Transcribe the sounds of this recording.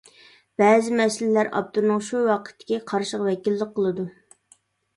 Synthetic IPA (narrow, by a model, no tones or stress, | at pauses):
b̥ɛːzɪmɛsɪllæɾɑ̰p̚t̪uɾnɨŋʃuwɑqʰə̥t̪ʰːɪ̥kʲiqʰɑɾʃəqvɛkʲilːəq̚qʰːəlˠɨd̪u